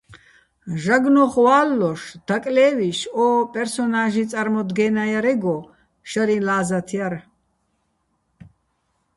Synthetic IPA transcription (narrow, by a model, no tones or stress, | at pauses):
ʒaɡnɔχwaːlːɔʃd̪̥akʼlɛːviʃɔːpʼɛɾsɔnaʒit͡sʼaɾmɔd̪ɡɛːnajaɾɛɡɔ | ʃaɾilaːzat̪ʰiaɾ